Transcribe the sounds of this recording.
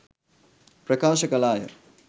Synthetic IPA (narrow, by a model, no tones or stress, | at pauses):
pɾɐkaːʃɐkɐlaːjɐ̰